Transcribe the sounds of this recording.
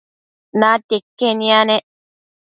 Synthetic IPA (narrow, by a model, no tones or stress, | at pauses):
nat̪ekːenĩane